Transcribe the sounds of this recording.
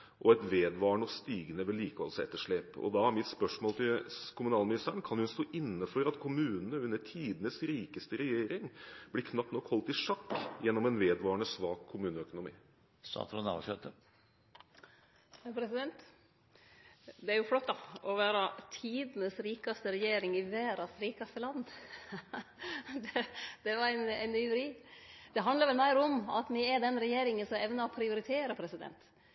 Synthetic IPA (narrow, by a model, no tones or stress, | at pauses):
ʔɔɛt̪ʋeːd̪ʋɑːɳɔst̪iːɡənəʋɛliːkəʋɑ̰lsɛ̰t̪ːəʂɭeːpɔ̰d̪ɑæɾmɪt̪spœʂmoːlt̪ʰɪlkʰʊmʉnɑːlmɪnɪst̪æəɳkʰɑnhʉnst̪oːʔɪnːəfɔɾɑt̪kʰʊmʉːnənəʉnːəʈʰiːd̪ənəsɾiːkəst̪əɾɛjeːɾɪŋb̥lɪkʰnɑp̚t̪nɔkːhɔlt̪ɪʂɑkːjɛnːɔmɛnʋeːd̪ʋɑːɳəsʋɑːkʰːʊmʉːnəœkʊnʊmḭː | sɑ̰ːt̪ʰɾunɑ̰ʋʂøːt̪ə | pʰɾɛsɪd̪ɛnt̪ | d̪ɛæɾjʊflɔt̪ːɑɔʋæːɾɑt̪ʰiːd̪nəsɾiːkɑst̪əɾɛjeːɾɪŋɪʋæːɾɑsɾiːkɑst̪əlɑnː | d̪ɛd̪̥ɛʋɑɾæɪnæɪnyːʊɾiːd̪̥ɛɦɑnd̪ləɾʋɛlmæɪɾɔmɑ̰t̪mɪɛd̪ɛnɾɛjeːɾɪŋənsɔɛʋnəɔpʰɾɪʊɾɪt̪ʰeːɾəpʰɾɛsɪd̪ɛ̰nt̪